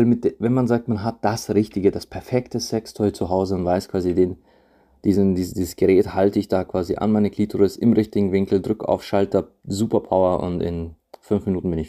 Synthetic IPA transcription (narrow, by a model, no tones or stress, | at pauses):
lmɪt̚d̥vɛnmanzaːk̚tmanɦat̚d̥asʁɪçtɪɡədaspʰɛɐfɛktəsɛkstʰɔʏt͡suɦaʊzəʊntv̥aɪskv̥aːzideːn | d̥iːzndiːzdiːzəsɡ̥əʁɛːthaltəɪçd̥aːkv̥aːzḭʔa̰nmaɪnəkʰl̥iːtʰʊʁɪsɪmʁɪçtɪɡŋ̩vɪŋkl̩dʁʏka̰ʊfʃaltɐ | zuːpɐpʰaʊɐʔʊ̰ntɪ̰n | fʏnfminuːtn̩bɪnɪç